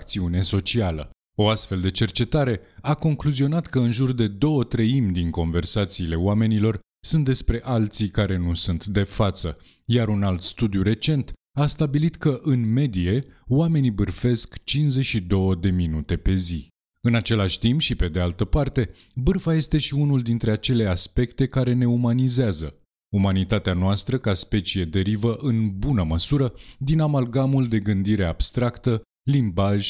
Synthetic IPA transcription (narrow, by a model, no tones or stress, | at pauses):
kt̪siune̞so̞t͡ʃialə̰ | o̞ast̪fe̞ld̪e̞t͡ʃe̞rt͡ʃe̞t̪aɾe̞ako̞ŋkluzio̞nat̪kəɨnʒurd̪e̞d̪o̞wət̪ɾəimd̪iŋko̞nve̞rsat̪siːle̞oame̞nilo̞r | sunt̪̚d̪e̞spɾe̞ʔalt̪sikaɾe̞nusunt̪d̪e̞fat̪sə | jaɾunalt̪st̪ud̪juɾe̞t͡ʃe̞nt̪ | ast̪abilit̪kəʔɨnme̞d̪ie̞wame̞nibɨrfe̞skt͡ʃinzeʃid̪o̞wəd̪e̞minut̪e̞pe̞zi | ɨnat͡ʃe̞laʃʲt̪impʃipe̞d̪e̞alt̪əpart̪e̞bɨrfaje̞st̪e̞ʃiunuld̪int̪ɾe̞at͡ʃe̞le̞aspe̞kt̪e̞kaɾe̞ne̞umanizeazə | umanit̪at̪eanoast̪ɾəkaspe̞t͡ʃie̞d̪e̞ɾivəʔɨnbunəməsuɾəd̪inamalɡamuld̪e̞ɡɨnd̪iɾe̞ab̥st̪ɾakt̪ə | limbaʒʲ